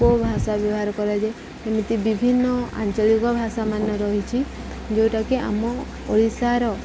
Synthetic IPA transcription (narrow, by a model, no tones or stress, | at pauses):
ɔbʱasabjɔbɔɦaɾɔkɔɾad͡ʒe | emit̪ibibʱinːɔa̰nt͡ʃɔlikɔbʱasamanɔɾɔɦit͡ʃʰi | d͡ʒewʈakea̰mɔ | pɔɾisaɾɔ